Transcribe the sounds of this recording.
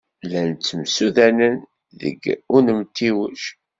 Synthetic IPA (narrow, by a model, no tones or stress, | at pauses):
lænt͡sːəmsuðænən | ðə̰ɡʊnəmt̪ːiwəʃ